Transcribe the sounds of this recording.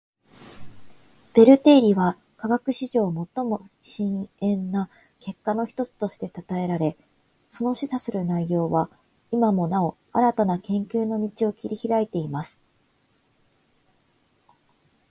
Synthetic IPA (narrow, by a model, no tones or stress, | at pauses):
b̥e̞ɾɯ̟t̪e̞ːɾʲiβa | kaɡakɯ̟ɕiʑo̞ːmo̞t̪ːo̞mo̞ɕĩɰ̃ẽ̞nːa | ke̞kːano̞çi̥t̪o̞t͡sɨ̥t̪o̞ɕi̥t̪e̞t̪at̪ae̞ɾaɾe̞ | so̞no̞ɕisasɨɾɯ̟naijo̞ːβa | imamo̞nao̞ | a̰ɾat̪anakẽ̞ŋkʲɨːno̞mʲit͡ɕio̞kʲiɾʲiçiɾait̪e̞imasɨ̥